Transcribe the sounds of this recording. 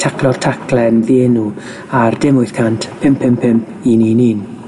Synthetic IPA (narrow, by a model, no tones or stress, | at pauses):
tʰakʰlˠɔr̥tʰakʰlɛnviɛnu | ardɪmʊɨθkʰantpʰɪmpʰɪmpʰɪmpʰininin